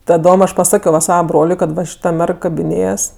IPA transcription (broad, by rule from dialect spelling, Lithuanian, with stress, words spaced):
tɐˈdoːm ˈɐʃ pɐˈsɑːkʲoː ʋɐ ˈsɑːʋɐ ˈbroːlʲʊɪ kɐt ˈʋɐ ʃʲɪˈtɐ ˈmʲɛrk kɐbʲɪˈnʲeːjɛs